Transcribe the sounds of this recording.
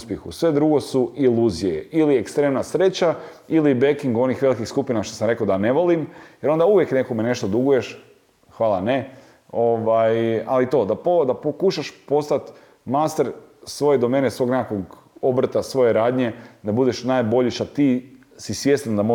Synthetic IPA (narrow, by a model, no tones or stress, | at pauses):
spjexṵsʋe̞d̪ɾuɡo̞suʔilˠuːzijḛiliekst̪ɾe̞mnasɾe̞t͡ɕa | ilibekiŋɡuo̞nixʋe̞likixskupinaʃt̪osamɾe̞kaod̪ane̞ʋo̞limjeɾo̞nd̪auʋje̞kne̞komene̞ʃt̪od̪uɡuje̞ʃ | xʋaːlˠane̞ | o̞ʋajalit̪o̞d̪apod̪apokuʃaʃpo̞st̪at̪ | mast̪eɾ | sʋo̞je̞d̪ome̞ːnesʋo̞ːɡnekako̞ɡ | o̞bɾ̩t̪asʋo̞je̞ɾaːd̪ɲe̞d̪abud̪e̞ʃnaːjbo̞ʎiʃat̪i | sisje̞st̪and̪amo